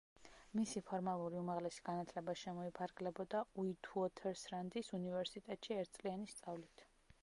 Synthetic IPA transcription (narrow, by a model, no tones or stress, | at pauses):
misipʰɔɾmalˠuɾiumaʁlɛsi̥ɡ̥anat̪ʰlɛbaʃɛmɔipʰaɾɡlɛbɔd̪auit̪ʰuɔt̪ʰɛɾsɾand̪isunivɛɾsit̪ʼɛt̪ʼʃiɛɾt̪̚ʰsʼlianist̪sʼavlit̪ʰ